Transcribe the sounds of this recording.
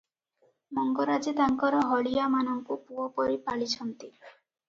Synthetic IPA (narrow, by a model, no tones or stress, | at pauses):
mɔŋɡɔɾad͡ʒit̪aŋkɔɾɔɦɔɽijamanɔŋkupuɔpɔɾipaɭit͡ʃʰɔnt̪i